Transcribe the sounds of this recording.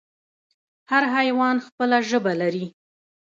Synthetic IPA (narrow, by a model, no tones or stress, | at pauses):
haɾɦajwɑnxpəlaʒəbalaɾi